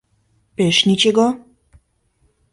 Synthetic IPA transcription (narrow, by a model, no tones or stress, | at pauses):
peʃnʲit͡ɕeɡɔ